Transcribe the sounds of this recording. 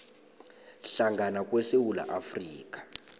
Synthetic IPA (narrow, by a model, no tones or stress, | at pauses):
ɬaŋɡʱanak̬ʼwɛsewula̰ʔafriːk̬ʼḁ